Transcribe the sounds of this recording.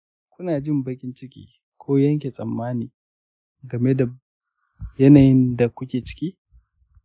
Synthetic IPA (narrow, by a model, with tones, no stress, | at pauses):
kʷʊ˦naː˨d͡ʒɪ˦mbɐ˦kʲɪ˦nt͡ʃɪ˦kʲḭː˦ | kʷʰoː˦jɐ˦ŋkʲe˨sʼɐ˨mːaː˦niː˨ | ɡɐ˨me˦da˨ | jɐ˦naː˨jɪ˦nda˨kʷʊ˦kʲeː˨t͡ʃɪ̥˦kʲiː˦